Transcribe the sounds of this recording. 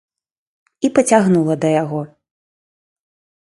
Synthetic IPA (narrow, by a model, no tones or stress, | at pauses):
ipɐt͡sʲaɣnulˠɐd̪ɐjaɣɔ